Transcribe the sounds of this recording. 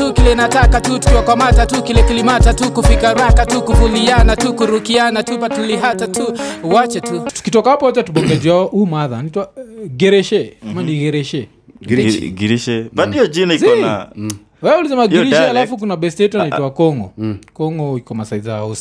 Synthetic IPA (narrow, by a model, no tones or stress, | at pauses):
ukilɛnatakatutu̥kiwakwamatatukilɛkilimatatukufikaɾakatukuvulianatukuɾukianatupatuliɦatatuwat͡ʃɛtutu̥kitɔkahapɔwat͡ʃatuɓɔŋɡɛziwaɔʔumaðanaitwaɡɛɾɛʃɛamaniɡɛɾɛʃɛ | ɡiɾiʃɛbandiɔd͡ʒinaisɔna̰ | wɛulisɛmaɡiɾiʃɛalafuk̬unaɓɛstiɛtwanaitwakɔŋɡɔ̰kɔŋɡɔikɔmasaizaus